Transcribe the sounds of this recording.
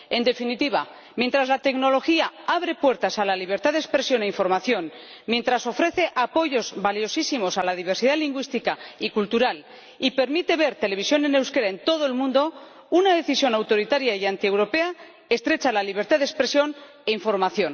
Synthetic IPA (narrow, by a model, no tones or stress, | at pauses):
e̞nd̪e̞finit̪iβa̰ | mjent̪ɾazlat̪e̞kno̞lo̞xiaaβɾe̞pwe̞ɾt̪asalaliβ̞e̞ɾt̪aðespɾe̞sjo̞ne̞iɱfo̞ɾmaθjo̞n | mje̞nt̪ɾaso̞fɾe̞θe̞ʔapo̞ʝo̞zβaljo̞sisimo̞salaðiβ̞eɾsiðaliŋɡwist̪ikaikult̪uɾal | ipe̞ɾmit̪e̞β̞e̞ɾt̪e̞le̞β̞isjo̞nene̞wske̞ɾaent̪o̞ðoelmũnd̪o̞ | unaðe̞θisjo̞nawt̪o̞ɾit̪aɾjaiant̪ie̞wɾo̞pe̞a | e̞st̪ɾe̞t͡ʃalaliβ̞e̞ɾt̪aðekspɾe̞sjo̞n | eiɱfo̞ɾmaθjo̞n